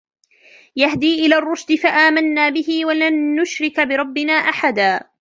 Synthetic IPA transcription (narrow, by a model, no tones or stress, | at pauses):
jahd̪iːʔɪlaːrˤːʊʃd̪ɪfaʔaːmanːaːbɪhɪwalanːʊʃɾɪkbɪɾˤɑbːɪnaːʔaħad̪aː